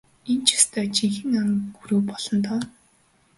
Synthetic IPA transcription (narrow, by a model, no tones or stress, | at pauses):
ent͡ɕʰḁst̪ʰœːt͡ɕiŋxɘ̆ŋaŋɡuɾuːpɔɮ̥ɞ̆nt̪ɔː